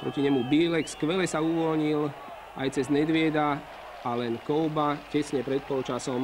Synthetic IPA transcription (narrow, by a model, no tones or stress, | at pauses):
pɾɔciɲɛmubiːlɛkskʋɛlɛsauʋɔlɲil | ajt͡sɛzmɛd̪ʋɪɛd̪a | alɛnkɔʊbacɛsɲɛpɾɛt̪̚pɔlt͡ʃasɔm